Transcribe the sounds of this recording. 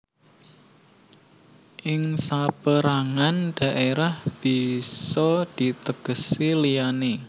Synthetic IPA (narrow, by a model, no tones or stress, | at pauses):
ʔɪŋsapəɾaŋand̥a̤ʔeɾahb̥isɔd̥i̤t̪əɡ̥əsilijane